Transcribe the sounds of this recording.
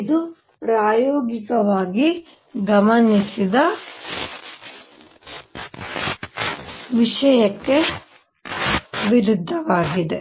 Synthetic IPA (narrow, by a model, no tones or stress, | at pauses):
id̪u | pɾaːjoːɡikɐʋaːɡi | ɡɐmɐnisid̪ɐ | ʋiʂɐjɐkːe | ʋiɾud̪ʱːɐʋaːɡid̪e